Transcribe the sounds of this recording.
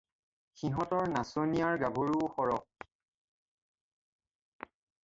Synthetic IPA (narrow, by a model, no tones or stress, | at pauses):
xiɦɔtɔɹnasonijaɹɡabʱoɹuxɔɹɔk̚